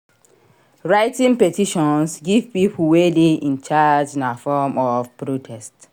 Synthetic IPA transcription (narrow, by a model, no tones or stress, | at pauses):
ɹaɪtĩŋpɛtiʃɔ̃nsɡivpipʰuwedeĩnt͡ʃad͡ʒĩnafɔmɔfpɹotʰɛst